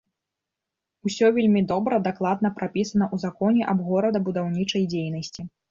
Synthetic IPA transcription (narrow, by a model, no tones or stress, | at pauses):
usʲɔvʲelʲmʲid̪ɔbɾɐd̪aklˠad̪nɐpɾapʲisɐnɐʔuzakɔnʲɛʔɐbɣɔɾɐd̪ɐbud̪awnʲit͡ʂɐjd͡zʲejnɐsʲt͡sʲi